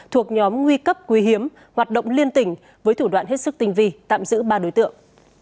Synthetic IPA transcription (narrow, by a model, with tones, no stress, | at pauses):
t̪ʰu˨˩ək̚ɲɔ˨˦mŋwi˧kə˦˥p̚kwi˨˦ɦi˨˦əm | hwaː˨˩t̚ɗə̰˧˨wŋ͡mli˧ənt̪ï˧˩ŋ̟ | vəː˨˦jt̪ʰu˧˩ɗwa̰ː˧˨nɦe˦˥t̚sɨ˦˥k̚t̪ï˧ŋ̟vi˧t̪a̰ː˧˨mzɨ̰˧˥ɓaː˧ɗo˨˦jt̪ɨ̰˧˨əŋ